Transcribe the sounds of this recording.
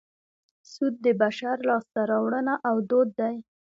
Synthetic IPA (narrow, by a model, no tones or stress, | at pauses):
sud̪̚ːəbaʃaɾlɑst̪aɾɑwɽənaʔawd̪od̪ːaj